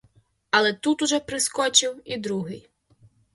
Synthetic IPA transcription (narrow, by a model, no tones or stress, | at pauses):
ɐlˠɛt̪ut̪uʐɔpɾɨskɔt͡ʃiwid̪ɾuɣɨj